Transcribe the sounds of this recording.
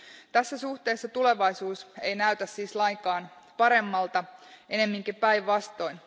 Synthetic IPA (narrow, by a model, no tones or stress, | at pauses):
t̪æsːæsuht̪e̞ːsːɑt̪ule̞ʋɑjsuːsejnæyt̪æssiːslɑjŋkɑːn | pɑɾe̞mːɑlt̪ɑʔe̞ne̞mːiŋkipæiʋːɑst̪o̞in